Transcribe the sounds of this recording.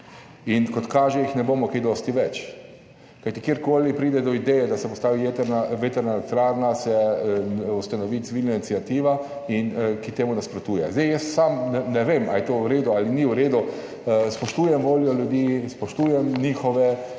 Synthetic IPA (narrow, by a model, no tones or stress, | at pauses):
inkɔt̪kaːʒɛjixnɛboːmɔked̪ɔːst̪iʋɛt͡ʃ | kajt̪ikjeːɾkoːlipɾiːd̪ɛd̪ɔid̪ɛjɛd̪asɛpɔst̪aːʋiʋet̪ɛɾnaʋet̪ɛɾnalɛt̪ɾaːɾnasɛ | ust̪anɔʋiːt̪siʋiːlnanit̪siat̪iːʋainkit̪eːmunaspɾɔt̪uːjɛ̰zd̪ɛjjɛst̪samnɛnɛʋeːma̰lit̪owɾeːd̪ualiniwɾeːd̪u | spɔʃt̪uːjɛmʋoːljɔljud̪ispɔʃt̪uːjɛmniːxɔʋɛ